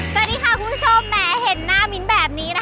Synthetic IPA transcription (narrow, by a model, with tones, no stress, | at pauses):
sa˨˧˩diː˧˩kʰaː˧˩kʰu˧˦u˥t͡ɕʰo˧mːɛː˨˩he˨˩˦nːaː˦˥˩mi˦˥nbɛː˨˩p̚niː˦˥na˦˥